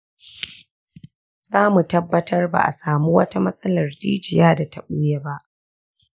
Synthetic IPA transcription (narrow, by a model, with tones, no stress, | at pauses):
z̥aː˦mu˨tɐ˦bːɐ˦tʰɐ˦rba̰˨ʔa̰˨saː˨mu˦wɐ˦ta˦mɐ˦sʼɐ˦lɐ˨rdiː˦d͡ʒɪ˨jaː˦da˨tɐ˦ɓʊ˦je˦ba˦ʔ